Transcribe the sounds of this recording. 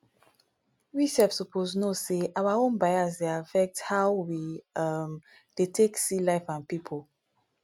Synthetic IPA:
wiʃɛfsɔpʰoznoseawaõnbajazdeafɛk̚thawwim | d̥etʰeksilaɪfãnpipʰol

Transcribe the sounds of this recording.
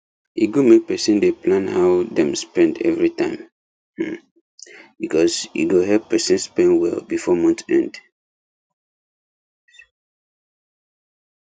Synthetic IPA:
iɡomek̚pɛsĩndeplãnhaʊdɛ̃mspɛ̃ndɛ̰vɹitãɪ̃m̩ | bikɔsjḭɡoɦɛppɛsĩnspɛ̃nwɛ̰lbifɔmɔ̃ntɛ̰̃nd

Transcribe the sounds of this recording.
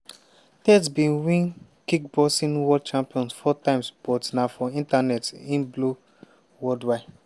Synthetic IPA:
tɛtbĩnwĩnkikbɔsĩnwɔd̚t͡ʃãmpiɔ̃nsfɔtãɪ̃msb̥ɔtnafɔĩntanɛtĩnblu | wɔldwaɪ

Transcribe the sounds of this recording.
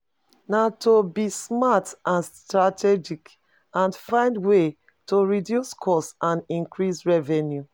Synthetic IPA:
natʰobismatãnstɹatɛd͡ʒik | ãnfãɪ̃ndwe | toɹidjuskʰɔsãnĩŋkɹisɹɛvɛnju

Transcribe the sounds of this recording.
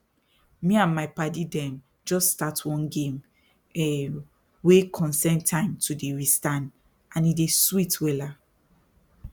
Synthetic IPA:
miãnmaɪpadidɛ̃n | d͡ʒɔstːtatʰwɔ̃nɡẽm | ɛ | wekʰɔ̃nsɛ̃ntʰãɪ̃mtʰudeɹistãn | ãnideswitwela

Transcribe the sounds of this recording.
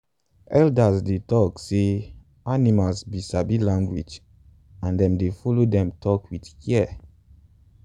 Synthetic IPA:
ɛldasdetɔkse | animalsbisabilãŋɡwid͡ʒ | ãndɛ̃mdefɔlodɛ̃mtʰɔkʰwitkɛɛ

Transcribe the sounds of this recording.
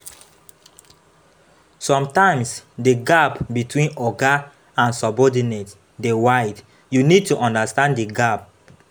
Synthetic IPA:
sɔ̃mtãɪ̃msdeɡapbitwĩnɔɡa | ãnsɔbɔdinet | dewaɪd | junid̚tuʔɔ̃ndastãnddeɡap̚

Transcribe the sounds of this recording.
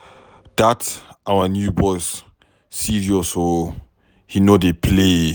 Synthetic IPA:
d̥atʔawənjubɔsː | iɹiɔso | hinodepʰle

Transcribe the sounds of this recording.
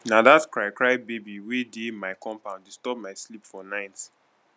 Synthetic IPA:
nadaskɹaɪkɹaɪbebiwidemaɪkɔ̃mpãʊ̃ndistɔp̚maɪslipfɔnãɪt

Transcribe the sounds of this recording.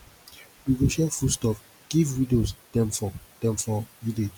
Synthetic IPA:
biɡoʃalfustɔf | ɡ̥ivwidosd̥̪ɛ̃mfɔd̥ɛ̃mfɔwided͡ʒ

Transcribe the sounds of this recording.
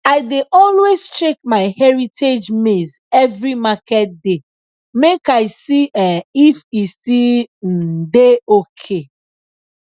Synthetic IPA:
aɪdeʔɔlwestɹek̚maɪhɛɹitʰed͡ʒmezɛvɹimakɛt̚de | mekaɪsiɛifistin̩deokʰe

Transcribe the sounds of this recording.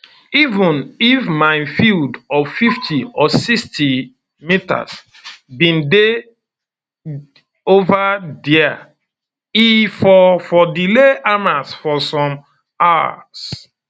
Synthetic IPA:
ivũnifmaɪfildɔvfiftʰiɔsiksti | mita̰s | bĩnde | ovadia̰ | ifɔfɔdileʔamasfɔsɔ̃m | awa̰s

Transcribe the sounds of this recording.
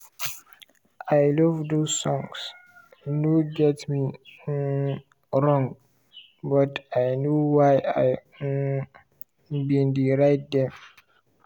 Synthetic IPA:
ʔajlɔvdosɔ̃ŋs | noɡɛtmi | ɾɔ̃ŋɡ | bɔtʰajnowajaj | bĩndiɾajt̚dɛ̃m

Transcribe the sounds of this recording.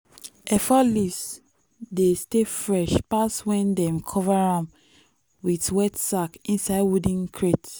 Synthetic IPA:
ʔɛfɔlis | destefɹɛʃpaswɛ̃ndɛ̃mkʰɔvaɹãm | wiθwɛtsakĩnsaɪdwudĩŋkʰɹet

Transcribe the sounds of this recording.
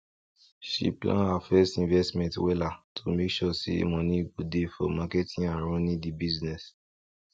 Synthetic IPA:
ʃḭplã̰nafɛstĩnvɛstmɛ̃ntwɛlatʰumekʃɔsḭmɔ̃nĩɡudefɔ̰makɛtʰĩaɾ̃ɔ̃nĩdibiznɛs

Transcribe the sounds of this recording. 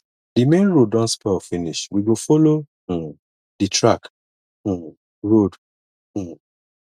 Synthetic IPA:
dimẽnɹod̚ɔ̃nspɛfĩniʃwiɡofɔlõ | ditʰɹak̩ | ɹod̩

